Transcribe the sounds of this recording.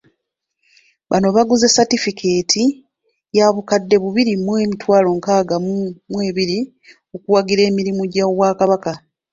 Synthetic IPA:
βano̞βaɡuzesatifikʰe̞ːtʰi | jaβukadːe̞βuβiɾimwe̞ːmitwaːlo̞ŋkaːɡamumwe̞ːβiɾi | okuwaɡiɾe̞ːmiɾimuɟawaːkaβaka

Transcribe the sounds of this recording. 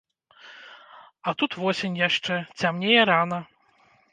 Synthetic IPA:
ɐt̪ut̪vɔsʲenʲjaʂt͡ʂɛt͡sʲamnʲejɐɾanɐ

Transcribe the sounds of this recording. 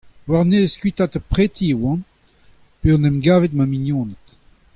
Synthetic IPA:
waʁneskwit̪at̪apχet̪ʰiwɑ̃n | peɔ̃nɛmɡaːvet̪maminjɔ̃ːnət̪

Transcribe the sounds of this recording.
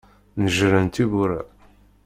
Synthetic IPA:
nəʒɾənt̪ibuɾæ

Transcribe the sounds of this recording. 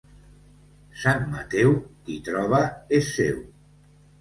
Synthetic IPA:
sanːat̪ɛwkit̪ɾɔβ̞aesːew

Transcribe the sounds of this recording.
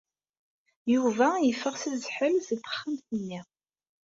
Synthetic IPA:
juvæjəfːəʁsizħəlzət̪ːə̥χːəmθənːiʁ

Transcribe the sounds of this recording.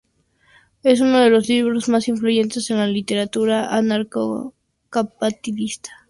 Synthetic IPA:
e̞s̬uno̞ð̞e̞lo̞zliβɾo̞zmasiɱfluʝe̞nt̪e̞se̞nlalit̪e̞ɾat̪uɾaʔanaɾko | kapat̪iðist̪ḁ

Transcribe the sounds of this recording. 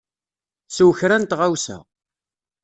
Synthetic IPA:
swçɾænt̪ʁawsæ̰

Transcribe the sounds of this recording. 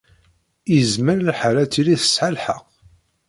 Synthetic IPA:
izməɾlħaɾæt͡sːiliθə̥sħalħə̰q

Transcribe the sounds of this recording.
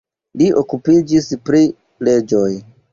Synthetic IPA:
liʔo̞kupid͡ʒispɾi | le̞d͡ʒo̞j

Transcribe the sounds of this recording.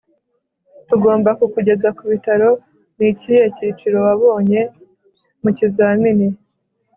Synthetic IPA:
tuɡo̞ːmbakukuɟe̞zakuβitaɾo̞ | nicihe̞cit͡ʃiɾo̞waβo̞ːɲe̞ | mucizaːmini

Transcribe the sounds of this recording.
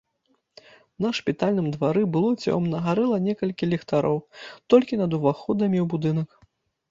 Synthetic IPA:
nɐʂpʲit̪alʲnɨmd̪vaɾɨbɨlˠut͡sʲɛ̰ɔmnɐɣaɾɛlˠɐnʲɛkɐlʲkʲilʲɛxt̪aɾɔwt̪ɔlʲkʲinɐd̪uvaxɔd̪ɐmʲiwbud̪ɨnɐk

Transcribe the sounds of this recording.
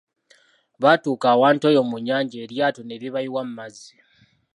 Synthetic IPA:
βatuːkaːwaːntoːjo̞ːmuɲːaːɲɟaːɾjaːtone̞ɾiβajiwam̩mːazi

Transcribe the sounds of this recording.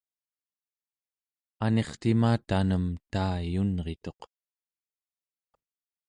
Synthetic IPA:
ane̞χt̪imaːt̪anəmt̪aːjunʁe̞t̪o̞q

